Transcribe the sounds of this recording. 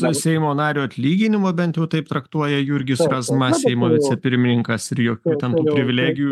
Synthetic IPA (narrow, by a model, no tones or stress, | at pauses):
ʊsʲɛɪmoːnɑːɾʲuːɐt̪ʲlʲiːɡʲɪnʲɪmoːbʲɛnʲt̪ʲjɛʊt̪ɐɪpt̪ɾɐkt̪uɔjɛjʊɾʲɡʲɪsɾɐzmɐssʲɛɪmoːʋʲɪt̪t͡s̪ʲɛpʲɪɾʲmʲɪnʲɪŋkɐsɪɾjoːkʲuːt̪ʲɛnt̪uːpʲɾʲɪʋʲɪlʲæːɡʲɪjuː